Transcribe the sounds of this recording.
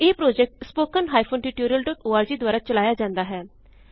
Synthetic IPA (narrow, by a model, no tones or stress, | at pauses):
eːpɾoːd͡ʒɛk̚ʈspoːkənɦaːipʰoːnʈiʈoːɾijəlɖɔːʈoːaːɾd͡ʒiːd̪waːɾaːt͡ʃəlaːjaːd͡ʒãːnd̪aːɦɛː